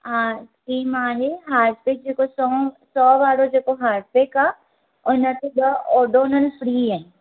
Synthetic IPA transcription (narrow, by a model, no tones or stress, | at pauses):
ãːkiːmaːleːɦaːɖpek̚d͡ʒeːkosɔsɔːʋaːɾoːd͡ʒeːkoɦaːɾɖpeːkaː | ʊnãt̪id̪aːɔːɖoːnənpʰɾiːɛ̃ː